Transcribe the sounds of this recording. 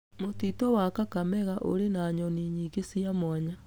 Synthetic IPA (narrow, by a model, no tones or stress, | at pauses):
motitɔwakakamɛɣaʔo̰ɾenaɲɔniɲiːɡesiamaɲa